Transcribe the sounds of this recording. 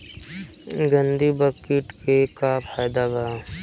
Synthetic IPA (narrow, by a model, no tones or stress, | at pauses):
ɡə̃nd̪ibəkɪʈkekapʰaːjd̪abaː